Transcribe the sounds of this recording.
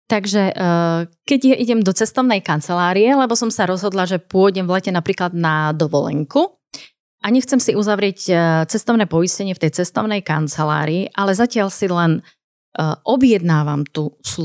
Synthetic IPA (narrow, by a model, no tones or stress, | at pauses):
t̪aɡʒɛ | kɛɟjaʔiɟɛmd̪ɔt͡sɛst̪ɔʊnɛjkant͡sɛlaːɾijɛlɛbɔsɔmsaɾɔzɦɔd̪laʒɛpʊɔɟɛmvlɛcɛnapɾiːklad̪nad̪ɔʋɔlɛ̰ŋku | aɲɛxt͡sɛmsiuzaʋɾɪɛct͡sɛst̪ɔʊnɛːpɔjiscɛɲɪɛft̪ɛjt͡sɛst̪ɔʊnɛjka̰nt͡sɛla̰ːɾiːʔalɛzacɪaʎsilɛn | ʔɔbjɛd̪naːʋamt̪us